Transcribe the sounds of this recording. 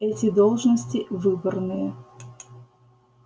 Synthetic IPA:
ɛtʲɪd̪olˠʐnəsʲtʲɪvɨbərnɨjə

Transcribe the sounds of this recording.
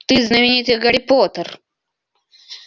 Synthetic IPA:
t̪iznɐwinit̪iɡɐɽipoːt̪ɐɾ

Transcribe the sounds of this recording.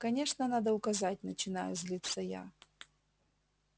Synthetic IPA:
kɐnʲe̞ʂnənad̪əʊkɐzat̚ʲnət͡ɕɪna̰jʊzʲlʲit̪sːəja̰

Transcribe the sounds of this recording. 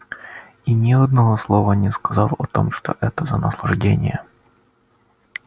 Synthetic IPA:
inʲɪɐd̪nɐvoslˠovənʲɪskɐzɑlˠɐt̪o̰mʂt̪o̰ʔɛt̪əzənəslˠɐʐdʲenʲɪ̰jə

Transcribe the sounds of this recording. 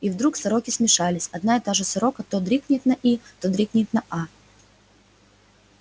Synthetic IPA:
ivd̪ɾuksɐɾo̞kʲɪsmʲɪʂalʲɪsʲɐd̪naɪt̪aʐɨsɐɾo̞kət̪od̪ɾʲiknʲɪt̪nɐʔit̪od̪ɾʲiknʲɪt̪nɐʔa

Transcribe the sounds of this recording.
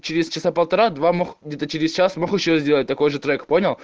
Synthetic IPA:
t͡ɕɪɾʲɪst͡ɕɪsapəlˠt̪ɐɾad̪vamoxɡ̚dʲet̪ət͡ɕɪɾʲɪst͡ɕasmoxɨɕozʲdʲelət̚ʲt̪ɐko̞jʐɨt̪ɾɛkponʲɪlˠ

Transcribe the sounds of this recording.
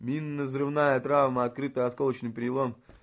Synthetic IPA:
mʲinːəzrɨvnajət̪ɾavməɐt̪̚kɾɨt̪əɐskolət͡ɕnɨjpɾʲɪlˠom

